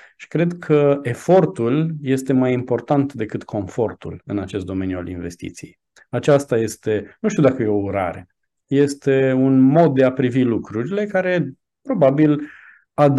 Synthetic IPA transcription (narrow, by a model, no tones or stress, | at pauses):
ʃi̥kɾe̞d̪kʰəe̞fo̞rt̪ulje̞st̪e̞majimpo̞rt̪ant̪d̪e̞kɨt̪kʰo̞ɱfo̞rt̪ṵlɨnat͡ʃe̞st̪̚d̪o̞me̞njua̰lḭnve̞st̪ḭt̪sijḛj | at͡ʃast̪aje̞st̪e̞nuʃt̪iud̪akəje̞o̞uɾa̰ɾe̞̰ | je̞st̪e̞unmo̞d̪̚d̪e̞apɾivilukɾuɾile̞kaɾe̞ | pɾo̞babil | ad̪